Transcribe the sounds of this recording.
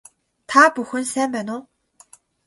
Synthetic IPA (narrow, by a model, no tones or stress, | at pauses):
t̪ʰapuxɵ̆nsæːmpæːnʊː